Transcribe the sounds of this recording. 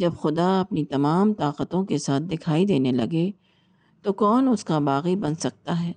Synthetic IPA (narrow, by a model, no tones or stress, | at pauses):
d͡ʒɐbxʊd̪aɐpnit̪ɐmaːmt̪aːqət̪õkesaːt̪̚d̪ɪkʰaːid̪eːnelɐɡe | t̪okɔːnʊskabaːɣibɐ̃nsɐk̚t̪aɦɛː